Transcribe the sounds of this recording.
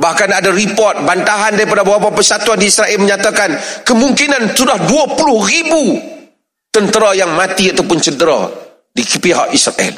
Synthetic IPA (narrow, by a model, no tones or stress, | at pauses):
bahkanadaɾipɔrt̪̚bant̪aɦandaɾipadabawapapəsat̪uandiːsɾaʔɛlməɲat̪akankəmũŋkinansudahduapulʊhribu | t̪ənt̪əɾajaŋmãt̪iat̪aupʊnt͡ʃədəɾa̰ | dikpeɦa̰ʔisɾa̰ʔɛ̰l